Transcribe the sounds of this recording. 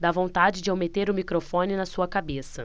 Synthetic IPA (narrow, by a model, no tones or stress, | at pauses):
d̪avõt̪ad͡ʒɪd͡ʒɪowmet̪eɾʊmikɾofõnɪnɐsuɐkabesɐ